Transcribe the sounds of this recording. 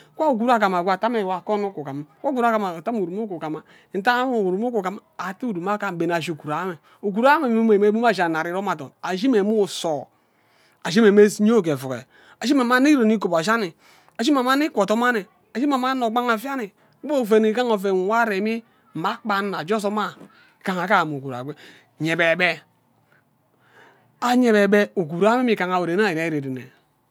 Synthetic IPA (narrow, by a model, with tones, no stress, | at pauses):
kʷa˦u˨ɡu˨ɾa˦ka˨m˨a˨ɡʷa˨ta˦me˨wa˨ko˦nu˦ku˨ka˨m˨kʷo˦ɡu˨˦ɾa˦ka˨ma˨ta˦m˦u˨ɾu˨m˦o˦ku˨ka˨ma˨ | n̩˨ta˦m˦o˨u˨ɾu˨mo˦ku˨ka˨m˦a˨ti˦u˦˨du˨ma˦ka˦˨be˨n˨a˨ʒu˨ku˨ɾa˨˦me˨ | o˨k̬u˨ɾa˦me˨˦m˦e˨me˦bu˦m˦a˦˨ʒa˨na˨ɾi˨˦ɾo˦ma˨to̰˨na˨ʒi˦me˨mu˦˨so˨ | a˨ʒi˦me˨me˦sɲ˦o˦˨ke˨fu˨kḛ˨ | a˨ʒi˦me˨ma˦ni˦ɾo˨ni˦ko˨ba˨ʃa˦ni˨ | a˨ʒi˦ma˨ma˦ni˦kʷo˨to˦ma˦ni˨ | a˨ʒi˦m˦e˨ma˦no˨ɡ͡ba˦ŋa˨fja˦ni˨˦ | bo˦˨fe˨ni˨ka˦ŋo˨fe˨n˨wa˦ɾe˨mi˦˨ | ma˦k͡pa˦nːa˨d͡ʒo˦s̬o˦ma˦˨ | ka˨ŋa˨ka˦˨mo˨ku˨ɾa̰˨ɡe˦˨ | ɲe˨be˨be˦ | a˨ɲe˨be˨be˦u˨ku˨ɾa˦me˦mi˨ka˨ŋa˨we˨ɾe˨˦n˦a˦˨a˨˦i˦ɾe˨di˨nḛ˨